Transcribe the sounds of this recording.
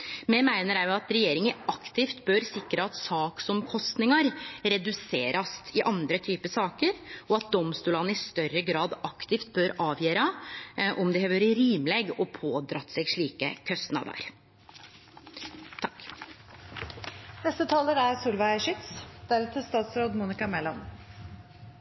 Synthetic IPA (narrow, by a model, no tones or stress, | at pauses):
mɛmæɪnəɾæɾjʊɑt̪ɾɛjeːɾɪŋəʔɑkt̪ɪft̪bøːɾsɪkɾəɑt̪sɑːksɔmkʰɔst̪nɪŋɑɾɾɛd̪ʉseːɾɑsɪʔɑnd̪ɾət̪ʰyːpəsɑːkəɾʔɔɑt̪̚d̪ɔmst̪uːlɑnəɪst̪œɾəɡɾɑːd̪ɑkt̪ɪft̪̚bøːɾʔɑːʋjeːɾɑʔɔmd̪ɛhɑːʋøɾəɾiːmlɛɡɔpʰoːd̪ɾɑt̪ːsɛɡʂɭiːkə̰kʰœst̪nɑ̰ʋd̪ɑ̰ːɾ | t̪ʰɑk | nɛst̪ət̪ʰɑːləɾæɾsuːlʋɑæʂɪt̪sd̪̥æɾt̪ʰəst̪ɑːt̪sɾoːd̪muːnɪkɑmɛlɑn